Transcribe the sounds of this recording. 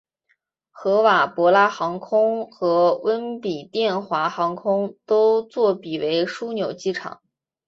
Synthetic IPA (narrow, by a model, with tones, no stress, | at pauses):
xɤ˧˥wa˨˩pwɔ˧˥la˥xɑ˧˥ŋkʰʊ˥ŋxɤ˧˥wə˥npi˨˩t̪jɛ˥˩nxwa˧˥xɑ˧˥ŋkʰʊ˥ŋt̪o˥ʊt͡swɔ˥˩pi˨˩we˧˥ɪʂu˥njo˨˩ʊt͡ɕi˥˩ʈ͡ʂʰɑ̰˨˩˦ŋ